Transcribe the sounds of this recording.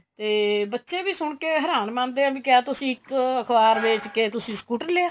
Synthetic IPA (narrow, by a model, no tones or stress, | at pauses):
t̪eːbətːʃeːbiːsʊɳkeːɦəɾaːnmãːnd̪eːabĩːkɪaːt̪ʊsĩːɪkəkʰbaːɾbɪːt͡ʃkeːt̪ʊsĩːskuːʈənleːaː